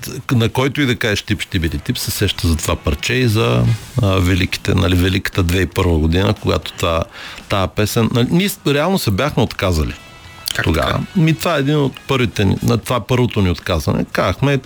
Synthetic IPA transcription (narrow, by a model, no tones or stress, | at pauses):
nɐkɔjt̪oid̪ɐkaʒɛʃt̪ipʃt̪ibiɾit̪ipsɛsɛʃt̪əzɐt̪ovapɐɾt͡ʃɛizɐ | vɛliki̥t̪ɛ̰nɐ̰livɛlikə̥t̪əd̪vɛipɤɾvəɡod̪inəkoɡa̰t̪o̥t̪vat̪apɛsɛnnɐlniɾɛalˠnosɛbʲjaxmɛot̪kazɐlḭ | t̪oɡa̰və̰mit̪vaɛɛd̪inot̪pɤɾvit̪ɛnḭnɐt̪ovapɤɾvot̪oniot̪kazvɐ̰nɛ̰kaxmɛ